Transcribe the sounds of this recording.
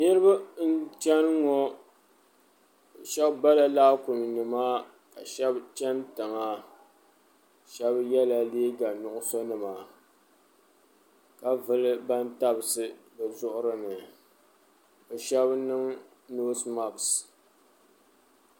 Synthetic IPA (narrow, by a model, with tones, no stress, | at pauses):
nɨ˦ɾɨ˦ba˦n̩˦t͡ʃɛ˦n˦ŋɔ˦˨ | ʃɛ˦bba˦la˦laː˦kʊ˨m˨nɨ˨maː˦ | ka˨ʃɛ˦bt͡ʃɛ˦ntɨ˨ŋa˦ | ʃɛ˦bjɛ˦la˨leː˦ɡa˨nʊ˨ʔʊ˦so˦nɨ˨ma˨ | ka˨vɨ˦lɨ˦ba˦n˦ta˦bɨ˨sɨ˦bɨ˨zʊ˦ʔʊ˦ɾɨ˦nɨ˨ | o˨ʃɛ˦bnɨ˦ŋ | noː˦sma˨bs